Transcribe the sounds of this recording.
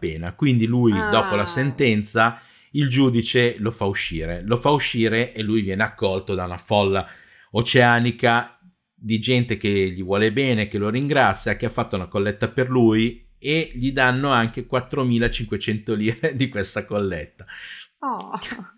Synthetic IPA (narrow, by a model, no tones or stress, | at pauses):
peːnakwind̪ilujd̪ɔːpolasent̪ɛnt̪sa | ild͡ʒuːd̪it͡ʃelofauʃːḭːɾelofauʃːiːɾeʔelːujvjɛːneakːɔlt̪od̪aunafɔlːa | ot͡ʃeaːnika | d̪id͡ʒɛnt̪ek̟eʎːivwɔːlebɛːnek̟eloɾiŋɡɾat̪sːjak̟eafːat̪ːaunakolːɛt̪ːaperluj | eʎid̪anːoaŋkekwat̪ːɾomiːlat͡ʃiŋkwet͡ʃɛnt̪oliːɾed̪ikwest̪akolːɛt̪ːa